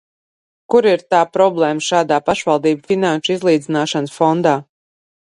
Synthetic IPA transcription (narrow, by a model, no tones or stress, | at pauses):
kuɾiɾt̪aːpɾɔblˠɛːməʃaːd̪aːpaʃvalˠd̪iːbfinanʃuizlˠiːd̪zinaːʃansfɔnd̪aː